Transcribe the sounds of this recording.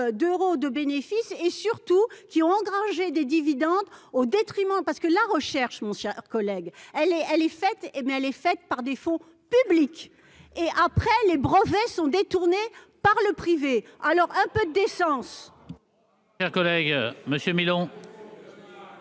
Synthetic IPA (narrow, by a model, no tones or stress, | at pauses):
d̪øʁod̪əbenefisesyʁt̪ukʲiɔ̃ɑ̃ɡʁaʒed̪ed̪ivid̪ɑ̃d̪od̪et̪χimɑ̃paʁsə̥kəlaʁəʃɛʁʃmɔ̃ʃɛʁkɔlɛɡɛlɛɛlɛfɛt̪mɛɛlɛfɛt̪paʁd̪efɔ̃ | pyblik | eʔapχɛlebʁəvɛsɔ̃d̪et̪uʁne | paʁləpχivealɔʁɛ̃pød̪əd̪esɑ̃s | ʃɛʁkɔlɛɡməsjømilɔ̃